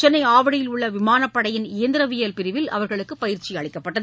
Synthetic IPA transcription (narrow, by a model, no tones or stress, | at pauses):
t͡ʃɐnːɐɪaːʋɐɽɪjɪlʊɭːɐʋɪmaːnɐpːɐɽɐjɪnɪjɐnd̪ɪɾɐʋɪjɐlpɪɾɪʋɪlɐ̰ʋɐɾɣɐɭɯkːɯpɐjɪɾt͡ʃiɐɭɪkːɐpːɐʈːɐð